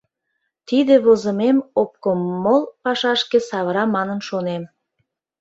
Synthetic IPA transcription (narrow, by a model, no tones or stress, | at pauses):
t̪id̪eβozəmemop̚komːolˠpɑʃɑʃkesɑβəɾɑmɑnənʃonem